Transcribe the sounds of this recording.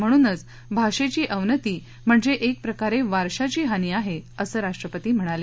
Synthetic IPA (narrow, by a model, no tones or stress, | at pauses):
m̤əɽ̃uːnət͡s | bʱaʂet͡ɕiːʔəʋnət̪iː | m̤əɳd͡zeʔek̚pɾəkaɾeʋaɾʂat͡ɕiːɦaniːaɦeəsəːɾaʂʈɾəpət̪iːm̤əɽ̃ale